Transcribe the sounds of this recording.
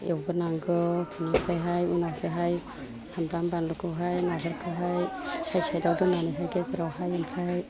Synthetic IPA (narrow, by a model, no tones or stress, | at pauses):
ewɡɯnaŋɡɯkʰunampʰajɦajunawseɦaj | sambɾambanlukʰɯɦajnadɯɾkʰɯɦajsʰajsajdawdɯnaniɦajɡezɯɾawhajɯmpʰaj